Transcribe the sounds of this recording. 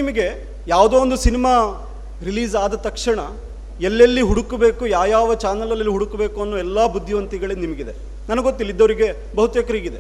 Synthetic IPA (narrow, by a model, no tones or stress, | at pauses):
nimɐɡe̞ | jaːʋud̪oːond̪usinimaː | ɾiliːzaːd̪ɐt̪ɐkʂɐɳɐ | elːɐlːiɦuɽukɐbeːkujaːjaːʋɐt͡ʃaːnɐlɐlɐlːiɦuɽukɐbe̞ːkuɐnːoːɛlːaːbud̪ʱːiʋɐnt̪iɡɐɭenimɐɡid̪e̞ | nɐnɐɡot̪ːilːid̪ːɐʋɐɾiɡe̞ | bɐɦut̪ʋjɛkɐɾiːɡid̪e